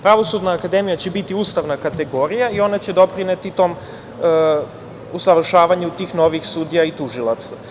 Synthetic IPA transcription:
pɾaʋo̞sud̪naːkad̪emijat͡ɕebit̪iuːst̪aʋnakat̪e̞ɡo̞ɾijaio̞nat͡ɕe̞d̪o̞pɾinet̪it̪o̞ːm | usaʋr̩ʃaːʋaɲeut̪iːxno̞ʋixsud̪ijait̪uʒila̰t̪sa

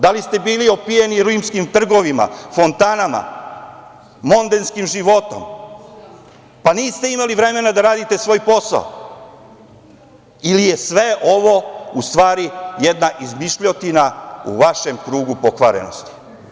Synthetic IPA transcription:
d̪alist̪e̞biːlio̞pijeniɾujmskimt̪r̩ɡo̞ʋima̰fo̞nt̪anama̰ | mo̞nd̪enskimʒiʋo̞t̪o̞̰m | paniːst̪e̞imaliʋɾe̞me̞nad̪aɾaːd̪it̪e̞sʋo̞ːjpo̞sa̰o̰ | ilije̞sʋe̞ʔoʋo̞ust̪ʋaːɾijed̪naʔizmiʃʎot̪inaṵʋaʃe̞mkɾuːɡupo̞kʋaɾe̞̰no̞̰st̪i̥

